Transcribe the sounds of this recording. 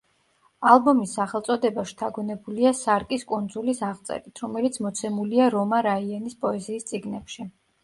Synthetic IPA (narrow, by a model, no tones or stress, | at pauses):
alˠbɔmisːaχɛlˠt̪sʼɔd̪ɛbaʃt̪ʰaɡɔnɛbuliasaɾkʼiskʼund̪zulisaʁt̪sʼɛ̰ɾit̪ʰɾɔmɛlit̪sʰmɔt̪sʰɛmuliaɾɔmaɾaianispʼɔɛziːst̪sʼiɡnɛpʃi